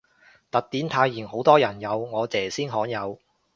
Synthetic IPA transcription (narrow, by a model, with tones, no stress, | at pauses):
t̪ɐ˨k̚t̪iː˨˥nt̪ʰaː˧jːiː˨˩nho˨˥wt̪ɔː˥jɐ˨˩njɐ˨˧wŋɔː˨˧t͡sɛː˨siː˥nɦɔː˨˥ŋjɐ˨˧w